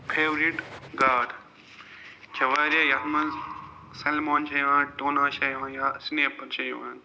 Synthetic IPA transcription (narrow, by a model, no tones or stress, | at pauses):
pʰeːʋɾiʈɡaːɖ | d͡ʒʰɐʋaːɾɐjɐɦmɐz | sɐlmoːnt͡ʃɐjʋãːʈoːnaːʃɐjʋãːjasneːpɐɾt͡ʃʰɐjʋã̰ːn